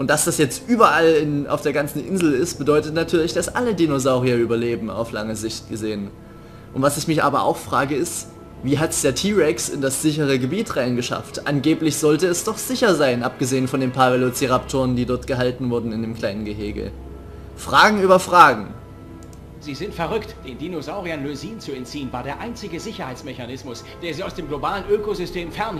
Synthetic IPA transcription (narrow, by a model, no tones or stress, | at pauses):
ʔʊntd̥asd̥asjɛt͡stʔyːbɐʔalɪna̰ʊfd̥eːɐɡant͡sn̩ʔɪ̰nzl̩ɪst̚b̥ədɔʏtətnatʰyːɐlɪçd̥asʔa̰lədinozaʊʁiɐyːbɐleːbm̩a̰ʊfla̰ŋəzɪçt̚ɡ̥əzeːən | ʔʊntv̥asɪçmɪçʔa̰ːbɐʔa̰ʊxfʁ̥aːɡəɪst | viːɦatd̥eːɐtʰiːʁɛksɪ̰ndasz̥ɪç̬əʁ̞əɡəbiːtʁaɪnɡəʃa̰ftʔanɡeːplɪçz̥ɔltəɛsd̥ɔχz̥ɪçɐzaɪnʔap̚ɡ̥əzeːənfɔndeːnpʰaɐvɛlot͡siʁap̚tʰʊːɐəndiːdɔɐtɡ̥əɦaltn̩vʊɐdn̩ɪndeːmkʰl̥aɪnənɡəɦeːɡə̰ | fʁ̥aːɡŋ̩yːbɐfʁ̥aːɡŋ̩ | ziːzɪntfɛɐʁʏktd̥eːndinozaʊʁianløziːnt͡suɛntt͡siːənvaːɐdeːɐʔaɪnt͡sɪɡəzɪçɐhaɪt͡smɛçanɪsmʊs | d̥eːɐziːaʊsd̥eːmɡlobaːlənʔøːkozʏstʰeːmfɛɐn